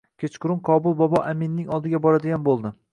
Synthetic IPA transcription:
kʲʰet͡ʃqʊɾʊmqʰɒbʊlˠbɒbɒʔamɪnːɪŋɒlˠd̪ɪɡʲabɒɾad̪ɪɡʲanbolˠd̪ɪ

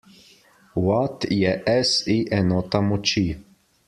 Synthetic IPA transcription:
wat̪jɛʔɛsiʔɛnɔt̪amɔt͡ʃi

